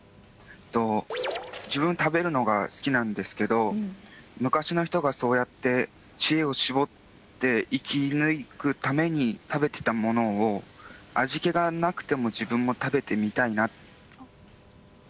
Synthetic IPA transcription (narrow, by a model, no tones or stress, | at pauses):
t̪o̞ | d͡ʑibɯ̟̃nt̪abe̞ɾɯ̟no̞ɡasɨ̥kʲinãnd̪e̞sɨ̥ke̞d̪o̞ | mɯ̟kaɕino̞çi̥t̪o̞ɡaso̞ːjat̪ːe̞ | t͡ɕie̞o̞ɕibo̞t̪ː | e̞ikʲinɯ̟ikɯ̟t̪ame̞ɲ̟it̪abe̞t̪e̞̥t̪amo̞no̞ːaʑike̞ɡanakɯ̟̥t̪e̞mo̞d͡ʑibɯ̟̃mːo̞t̪abe̞t̪e̞mʲit̪aina